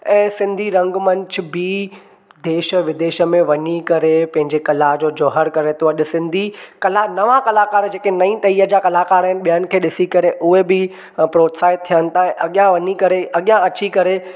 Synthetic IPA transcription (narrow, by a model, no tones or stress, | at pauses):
ɛ̃ːsɪ̃nd̪ʱiɾɐ̃ŋɡmɐ̃ɲt͡ɕʰʊ̆bi | d̪eːʃə̆ʋɪd̪eːʃə̆mẽʋɐɲikɐɾepɐ̃ɦɪ̃ɲd͡ʑekɐlaɦd͡ʑoːd͡ʑɔːɦəɾkɐɾet̪ʰoɐʄʊsɪ̃nd̪ʱikɐlanɐʋãkɐlakaːɾd͡ʑeːkenɐĩʈɐiːɦəd͡ʑakɐlaːkaːɾəɦɪnɪɓijənɪ̆kʰeːɗɪsikɐɾeʔʊɦebɪ | pɾoːt̪saːɪtt̪ʰːijənɪ̆t̪ʰaːɦɛ̃ʔɐɠijãʋɐɲikɐɾeʔɐɠijãɐt͡ɕikɐɾe